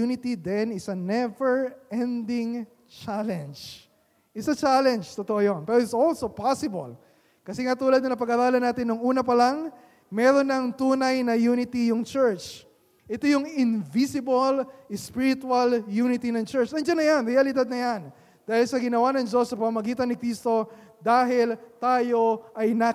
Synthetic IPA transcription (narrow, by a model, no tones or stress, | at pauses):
unɪt̪id̪ɛnɪsɐnɛvɛɹʔɛ̃nd̪ɪŋ | t͡ʃalɛ̃nd͡ʒ | ʔɪsɐt͡ʃalɛnd͡ʒt̪ot̪oʔojonpɛːɾoɪt̪solsopasɪbɐ̰l | kɐsɛŋat̪uːlɐd̪nɐɐpɐɡɐɾaːlɐnaːt̪ɪnːoŋuːnɐpɐlɐŋ | mɛːɾo̞nːɐŋt̪uːnɐjnɐjunɪt̪ijʊŋt͡ʃɛɹt͡ʃ | ʔɛt̪ojʊŋɪnvisɪbɐlɪspiɾɪt̪wɐljuːnɪt̪inɐŋt͡ʃɛɹt͡ʃɐnd͡ʒanːɐjanɾɛjɐlɪd̪ad̪̚nɐjan | d̪̥aːhɪlsɐɡɪnɐwanɐŋd͡ʒosːɐpɐmɐmɐɡiːt̪ɐnːɪkɾist̪o̞ | d̪aːɦɪlt̪aːjo̞ʔɐjnɐ